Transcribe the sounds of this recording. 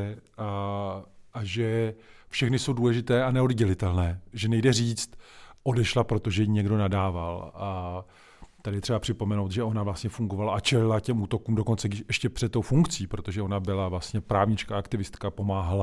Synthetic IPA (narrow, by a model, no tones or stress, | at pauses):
a | ʔaʒɛfʃɛxnɪso̞wduːlɛʒɪt̪ɛːanɛo̞dɟɛlɪt̪ɛlnɛːʒɛnɛjdɛriːt͡st̪ʔo̞dɛʃlapɾo̞t̪o̞ʒɛjiɲɛɡdo̞nadaːva̰la | t̪adɪjɛt̪r̥ɛbapr̝̥ɪpo̞mɛnowt̪ʒɛʔo̞navlast̪ɲɛfuŋɡo̞valaʔat͡ʃɛlɪlacɛmʔuːt̪o̞kuːmdo̞ko̞nt͡sɛɡdɪʃʔɛʃcɛpr̥ɛt̪t̪ːowfuŋkt͡siːpɾo̞t̪o̞ʒɛo̞nabɪlavlast̪ɲɛpɾaːvɲɪt͡ʃkaakt̪ɪvɪst̪kapo̞maːɦala